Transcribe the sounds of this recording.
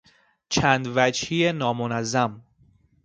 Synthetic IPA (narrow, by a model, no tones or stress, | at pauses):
t͡ʃʰæːnd̪væd͡ʒhijenɒːmonæzːæm